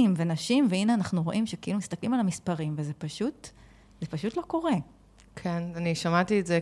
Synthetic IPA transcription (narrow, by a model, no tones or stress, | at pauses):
imvenaʃimveineanaχnuʁo̞ʔimʃekeʔilumist̪aklimalamispaʁimvezepaʃut | zepaʃutlo̞ko̞ʁe | kʰenaniʃamatietze